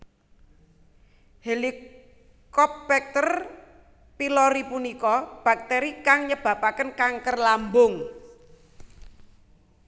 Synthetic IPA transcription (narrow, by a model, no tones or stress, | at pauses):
heli | kɔp̚bɛk̚t̪ər | pilɔɾipunikɔb̥a̤k̚t̪eɾikaŋɲəb̥ä̤pakənkaŋkərlambʊŋ